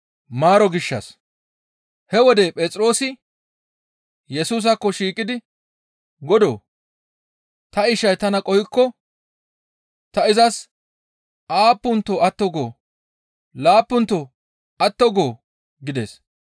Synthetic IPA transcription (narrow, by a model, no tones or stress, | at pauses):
maːɾɔɡɪʃːɐ̰s | hɛwɔd̪epʼɛːt͡sʼɾo̞ːsɪ | jɛsuːs̬ɐkːɔʃiːkʼːɪd̪ɪ | ɡɔd̪o̰ː | t̪ɐɪʃɐjt̪ɐnɐkʼɔhɪkːɔ | t̪ɐɪzɐs | ʔaːpːʊnt̪ːoːɐt̪ːɔɡo̞ː | laːpːʊnt̪ːoː | ɐt̪ːɔɡo̞ː | ɡɪd̪e̞̰ːs